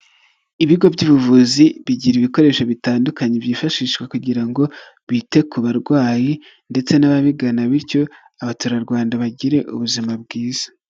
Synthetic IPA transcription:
iβiɡo̞bɟuβuvuziβiɟiɾiβiko̞ɾe̞ːʃoβitaːndukaɲebiːfaʃiːʃɡwekuɟiɾaŋɡo̞ | βite̞kuβaɾɡwaːji | nde̞t͡se̞naβaβiɡanaβiɾco̞ | aβatuɾaɾɡwaːndaβaɟiɾe̞ʔṵβuzimab̚ɡiːz̥ḁ

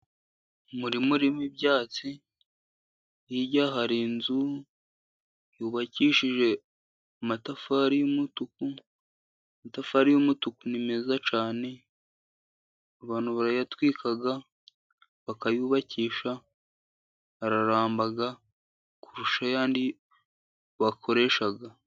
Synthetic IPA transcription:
muɾimuɾimibjaːt͡si | jiɟaːɦaɾinzu | juːβaciːʃiʒe̞ | umatafaɾijumutuku | matafaɾijumutukunime̞zat͡ʃaːne̞ | aβaːn̥huβaɾajatwiːkʰaɡa | βakajuːβaciːʃa | aɾaɾaːmbaɡa | kuɾuʃajaːndi | βakʰo̞ɾe̞ʃaɡa

